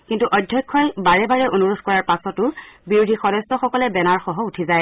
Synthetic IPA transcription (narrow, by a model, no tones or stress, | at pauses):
kintuʔɔjdʱjɔjkʰːɔjbaɹɛbaɹɛʔonuɹudʱkɔɹaɹpasɔtʊbiɹudʱixɔdɔstɔxɔkɔlɛbɛnaɹxɔɦɔutʰizaj